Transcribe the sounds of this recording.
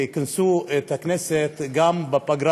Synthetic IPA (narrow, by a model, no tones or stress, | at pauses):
kɪnsut̪aknɛset̪ɡambapaɡɾa